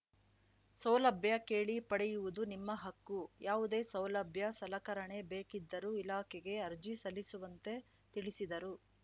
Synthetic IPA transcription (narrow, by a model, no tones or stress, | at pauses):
sɐwlɐbʱjɐkeːɭipɐɽɛjuʋud̪unimːɐɦɐkːujaːʋud̪e̞ːsɐwlɐbʱjɐsɐlɐkɐɾɐɳe̞be̞ːkid̪ːɐɾuilaːkʰɛɡe̞ɐɾd͡ʒisɐlːisuʋɐnt̪e̞ | t̪iɭisid̪ɐɾu